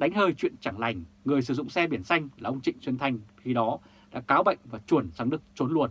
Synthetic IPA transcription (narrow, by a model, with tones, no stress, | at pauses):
ɗa˨˦jŋ̟həː˧jt͡ɕwḭ˧˨ənt͡ɕa˧˩ŋla˨˧˩jŋ̟ŋɨ˨˩əjs̬ɨ˧˩zʊ̰˧˨ŋ͡msɛ˧ɓi˧˩ənsa˧jŋ̟aː˨˩ʔə˧wŋ͡mt͡ɕḭ̈˧˨ŋ̟swi˧nt̪ʰa˧jŋ̟xi˧ɗɔ˨˦ | ɗa̰ː˧˥kaː˨˦wɓə̰˧˨jŋ̟vaː˨˩t͡ɕu˧˩ənsaː˨˦ŋɗɨ˨˧˩ək̚t͡ɕo˨˦nlu˧˨˩ən